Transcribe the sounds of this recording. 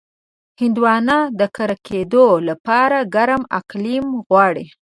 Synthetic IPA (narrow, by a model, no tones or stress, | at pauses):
hɪnd̪wɑnɑd̪əkaɾakʰed̪olapɑɾaɡaɾama̰qlimɣwɑɽi